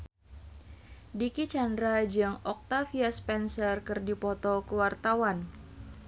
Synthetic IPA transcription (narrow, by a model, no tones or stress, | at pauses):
dikit͡ʃandɾad͡ʒɨŋɔk̚t̪afiaspɛnsərkɨrdipɔt̪ɔkəwart̪awan